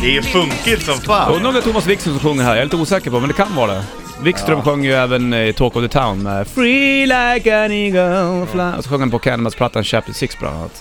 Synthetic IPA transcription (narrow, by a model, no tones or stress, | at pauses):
d̪ɛjɵfɵŋkɪt̪sɔmfaːɵnːɾɔmd̪ɛt̪ʰuːmasvɪkst̪ɾəmsɔmɧɵŋːəɾɦæɾjaɪɾlɪt̪əuːsɛːkəɾpɔmɛnd̪ɛkʰanvɑːɾad̪ɛ̰ | vɪkstt̪ɾœmɧœŋːəjɵɛːvənɪt̪ʰoːkɔvðət̪ʰaʊnmɛfɹilaɪkɛnɪɡoflaɔ̰sɔɧɵŋːhanpɔkʰɛnəmaspʰlat̪ʰːanɕœ̰ːp̚t̪ɪsɪksbʰɔlʔa̰na̰ːnat̪